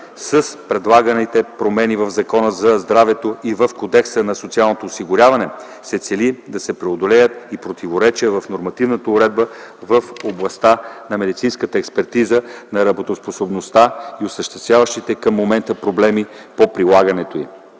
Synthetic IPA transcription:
səspɾɛd̪lˠaɡənit̪ɛpɾomɛnivəvzɐkɔnəzɐzd̪ɾavɛt̪oivəfkod̪ɛksənɐsot̪sialˠnot̪oːsiɡʊɾʲavɐnɛ | sɛt̪sɛlid̪ɐsɛpɾɛod̪olɛjət̪ipɾot̪ivoɾɛt͡ʃiəvəfnoɾmɐt̪ivnət̪əʊɾɛd̪̚bəvəfoblˠɐst̪anɐmɛd̪it̪sinskət̪əɛkspɛɾt̪izənɐɾɐbot̪osposobnost̪aiʊsəʃt̪ɛst̪vʲavəʃt̪it̪ɛkəmːomɛnt̪əpɾoblɛmi | popɾilˠaɡənɛt̪oi

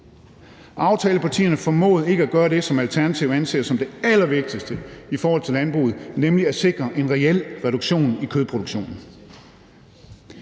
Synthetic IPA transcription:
ʔɑ̈ʊt͡sʰɛːləpʰɑ̈t͡sʰḭːɐnəfɒ̽mɔ̰̽ːð̞̩ˠe̝ɡ̥əæɡ̥ɶːɐɾ̥e̝sɒ̽mælt͡sʰæɐnæt͡sʰiʊ̰ænsʰḛːɐsɒ̽md̥e̝ælɐʋe̝ɡ̥̚d̥isd̥əifɒːhɒ̽l̰t͡sʰe̝lænb̥ʁṵːð̩ˠnemliæse̝ɡ̥ʁɐʔe̝nʁɛel̰ʁɛɾ̥uɡ̥ɕo̝̰ːnikʰøðˠpʰʁo̝ɾ̥uɡ̥ɕo̝̰ːnn̩

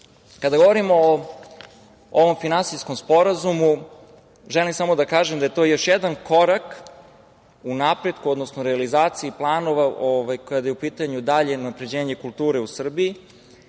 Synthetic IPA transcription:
kad̪aɡo̞ʋo̞ɾimo̞ː | oʋo̞mfinansisko̞mspo̞ɾazumu | ʒelimsamo̞d̪akaːʒemd̪ajet̪o̞jo̞ʃjed̪anko̞ɾak | unapɾe̞d̪kuod̪nosnoɾealizaːt̪siiplˠaːno̞ʋaʔoʋajkoad̪ajeupiːt̪aɲud̪aʎe̞onapɾe̞d͡ʑe̞ːɲe̞kulˠt̪uːɾe̞usr̩bii

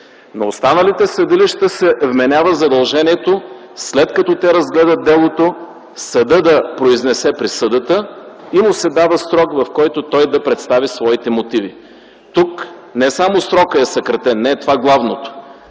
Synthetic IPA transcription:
nɐost̪anəlit̪ɛsɐd̪iliʃt̪əsɛvmɛnʲavəzɐd̪ɐlˠʒɛniɛt̪o | slɛt̪kɐt̪ɔt̪ɛɾɐzɡlɛd̪ət̪̚d̪ɛlˠot̪o | sɐd̪ɤd̪ɐpɾoiznɛsɛpɾisəd̪ət̪əimʊsɛd̪avəsɾɔkvɐfkɔjt̪ot̪ɔjd̪ɐpɾɛt̪st̪avisvɔit̪ɛmot̪ivi | t̪uknɛsamosɾɔkəɛsɐkɾɐt̪ɛnːɛːt̪ovaɡlˠavnot̪o̥

